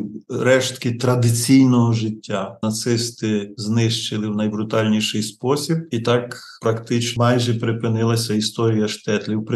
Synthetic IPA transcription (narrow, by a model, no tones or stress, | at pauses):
ɾɛʃt̪kɪt̪ɾɐd̪ɪt͡sʲijnɔɦɔʒɪtʲːanɐt̪sɪst̪ɪznɪʃt͡ʃɪlˠɪwnɐjbɾʊt̪ɑlʲnʲiʃɪjspɔsʲib̚it̪ɑk | pɾɐkt̪ɪt͡ʃmɑjʒɛpɾɪpɪnɪlˠɐsʲɐist̪ɔɾʲijɐʃt̪ɛt̪lʲiwp